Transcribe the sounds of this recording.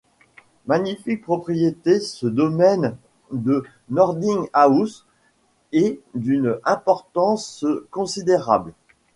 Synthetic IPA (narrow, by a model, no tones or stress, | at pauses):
maɲifik̚pχɔpχijet̪esəd̪ɔmɛn | d̪ə | nɔʁd̪iŋaus | ɛd̪ynɛ̃pɔʁt̪ɑ̃skɔ̃sid̪eʁabl